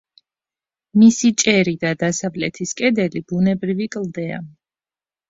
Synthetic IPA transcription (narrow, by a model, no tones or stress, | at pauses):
misit͡ʃʼɛɾid̪ad̪asavlɛt̪ʰiskʼɛd̪ɛlib̥unɛbɾivikʼld̪ɛa̰